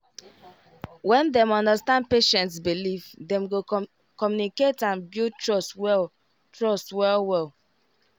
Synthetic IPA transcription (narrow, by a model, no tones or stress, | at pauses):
wɛ̃ndɛ̃mɔ̃ndəstãnd̚peʃɛ̃ntsbilivdɛ̃mɡo | kɔmjuniketãnbjutɹɔswɛl | tɹɔstwɛlwɛl